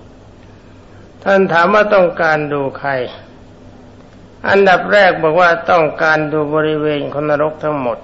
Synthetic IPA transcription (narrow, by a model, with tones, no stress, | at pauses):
t̪ʰa˥˩nt̪ʰaː˩˦mwaː˥˩t̪ɔ˥˩ŋkaː˧nduː˧kʰa˧j | ʔa̰˧nda˨˩p̚ɾɛː˥˩k̚bɔː˨˩k̚waː˥˩t̪ɔ˥˩ŋkaː˧nduː˧bɔː˧ɾi˦˥weː˧nkʰo˧nːa˧ɾo˦˥k̚t̪ʰa˦˥ŋmo˨˩t̪̚